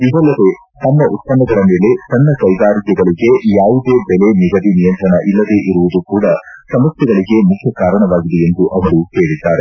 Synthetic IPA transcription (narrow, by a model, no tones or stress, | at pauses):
id̪ɐlːɐd̪e̞ | t̪ɐnːɐʔut̪̚pɐnːɐɡ̪ɐɭɐme̞ːle̞sɐnːɐkɐjɡaːɾikɛɡɐɭiɡe̞jaːʋud̪e̞ːbɛleniɡɐd̪inijɐnt̪ɾɐɳɐʔilːɐd̪e̞ːʔiɾuʋud̪ukuːɽɐsɐmɐsjɛɡɐɭiɡe̞mukʰjɐkaːɾɐɳɐʋaːɡid̪ejend̪uʔɐʋɐɾuseːɽid̪ːaːɾe